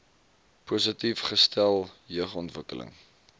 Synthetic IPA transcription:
pusətifχəstælˠjəχɔntvəkələ̰ŋ

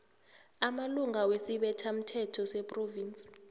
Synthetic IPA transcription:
amaluŋawesiɓɛtʰam̩tʰɛtʰɔsɛpʼroviːnt͡sʼi̥

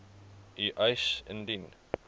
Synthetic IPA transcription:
iʔaɪsə̰̃ndin

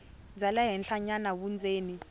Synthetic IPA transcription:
b͡ʐʱalaɦɛnɬaɲanaβund͡zʱeːni

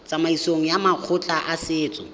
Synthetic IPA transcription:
t͡sʼamaisoŋ̩jamaq͡χʰʊt͡ɬʼaʔasɪːt͡sʼɔ

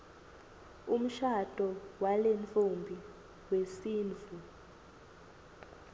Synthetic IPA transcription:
um̩ʃad̥ʱʼɔwalent͡fʼumbʱi | wesiːnt͡fu

